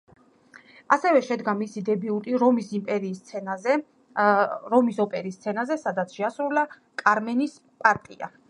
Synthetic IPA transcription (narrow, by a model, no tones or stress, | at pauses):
asɛvɛʃɛd̪ɡamisid̪ɛbiut̪ʼiɾɔmisimpʼɛɾiːst̪sʰɛnaɛ | ɾɔmisɔpʼɛɾist̪sʰɛnazɛsad̪at̪sʰʃɛasɾula | kʼaɾmɛnis | pʼaɾt̪ʼia̰